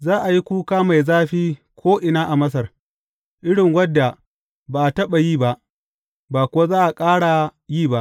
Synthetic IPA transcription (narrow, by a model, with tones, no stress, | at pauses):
zaː˦ʔa˨ji˦kʷuː˦kaː˦ma˨jzaː˦ɸiː˦ | kʰʷoː˦ʔɪ˨naː˦ʔa˨mɐ˦s̬ɐ˨r | ʔɪ˦ɽɪ˨ŋwɐ˦dːa˨ | baː˨ʔa˨tɐ˦ɓa˨jiː˦˨ba˦ʔ | baː˨kʊ˦wa˦zaː˦ʔa˨kʼaː˦ɽa˨jiː˦˨ba˦ʔ